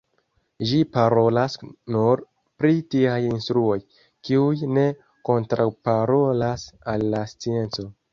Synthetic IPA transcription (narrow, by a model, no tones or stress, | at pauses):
ʒipaɾo̞lasnuɾ | pɾitiajinstɾuo̞j | kiujne̞ | ko̞ntɾawpaɾo̞lasalːast͡sie̞nt͡so̞